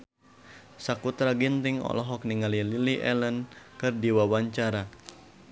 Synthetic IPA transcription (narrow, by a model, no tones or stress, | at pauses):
sakut̪ɾaɡint̪ɪŋɔ̰lɔɦɔk̚niŋalililiʔɛlənkɨrdiwawaɲt͡ʃaɾa